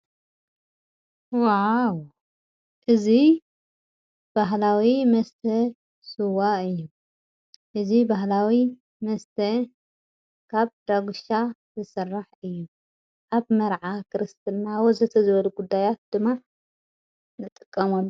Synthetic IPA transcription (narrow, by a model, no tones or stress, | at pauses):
waw | ʔɨzi | b̥aɦlawimɐst̪ʰɐ | sɨwaɨjːu | ʔɨzibaɦlawi | mɐst̪ʰɐ | kʰaβd̪̥aɡʷuʃa | zɨsɨrːaħɨjːu | ʔaβmɐɾʕakʰɨɾɨst̪ʰɨnːawɔzɐt̪ʰɐzɨβɐluɡud̪ːajat̪̚d̪̥ɨmːa | nɨt̪ʼɨkʼːɐmɐlː